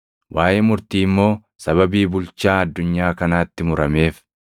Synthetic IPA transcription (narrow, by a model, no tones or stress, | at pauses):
wʔaːjeːmʊɾt̪iːɪmːo̞ː | sɐβɐbiːbʊlt͡ʃaːɐd̪ːʊɲːaːkɐnaːt̪ːɪmʊɾɐme̞ːf